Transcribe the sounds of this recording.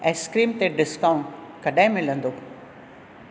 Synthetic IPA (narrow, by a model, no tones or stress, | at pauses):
ɛ̃ːskɾiːmt̪eɖɪskaːʊ̃ɳʈkɐɗaːɪ̃mɪ̃lə̃nd̪oː